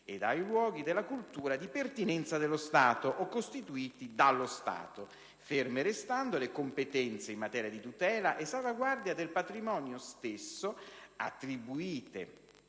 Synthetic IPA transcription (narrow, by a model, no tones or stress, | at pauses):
ed̪ajlwɔːɡid̪elːakult̪uːɾad̪ipert̪inɛnt̪sad̪elːost̪aːt̪oʔokːost̪it̪uiːt̪id̪alːost̪a̰ːt̪o | fermeɾest̪and̪olekompet̪ɛnt̪seimmat̪ɛːɾjad̪it̪ut̪ɛːlaʔesːalvaɡward̪jad̪elpat̪ɾimɔːnjost̪esːoa̰t̪ːɾibuiːt̪ḛ